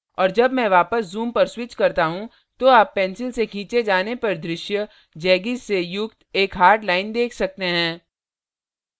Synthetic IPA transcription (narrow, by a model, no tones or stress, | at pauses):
ɔːɾd͡ʒɐbmɛ̃ʋaːpəszuːmpɐɾswɪt͡ʃkɐɾt̪aɦũ | t̪oaːpːɛ̃ːnsɪlsekʰĩːt͡ʃed͡ʒaːnepɐɾd̪ɾɪʃjə | d͡ʒɛːɡizsejʊk̚t̪eːkɦaːɾɖlaːɪnd̪eːkʰsɐk̚t̪eɦɛ̃ː